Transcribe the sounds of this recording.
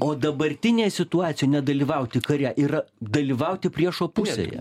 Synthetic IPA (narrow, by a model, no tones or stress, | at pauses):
oːd̪ɐbɐɾʲt̪ʲɪnʲeːjɛsʲɪt̪ʊɑːt̪sʲɪjojnʲɛd̪ɐlʲiːʋɐʊt̪ʲɪkɐɾʲæːʔiːɾɐd̪ɐlʲiʋɐʊt̪ʲɪpʲɾʲiɛʃoːpʊsʲḛjɛ̰